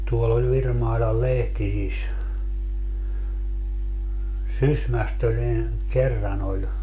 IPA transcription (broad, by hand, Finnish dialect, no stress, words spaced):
tuolː olʲ ʋirmɑilɑl lehtisis sysmæst olʲ ni kerːɑn olʲ